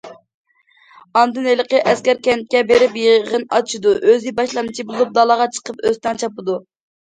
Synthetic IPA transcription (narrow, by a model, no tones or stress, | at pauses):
ɑnd̪ɨnelˠəqəʔɛskʲɛɾkʲɛnt̪̚kʲɛbeɾɪpjəʁənɑt͡ʃʰid̪uʔøzɪbɑʃlˠɑnɨt͡ʃʰibolˠup̚d̪ɑlˠɑʁɑt͡ʃʰə̥qəpøzt̪ɛŋt͡ʃʰɑpɨd̪u